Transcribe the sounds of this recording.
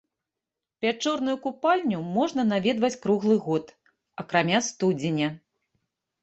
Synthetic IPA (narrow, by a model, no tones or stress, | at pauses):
pʲat͡ʂɔrnujukupalʲnʲumɔʐn̪ɐnavʲɛd̪vɐt͡sʲkɾuɣlˠɨɣɔt̪ | ɐkɾamʲast̪ud͡zʲenʲɐ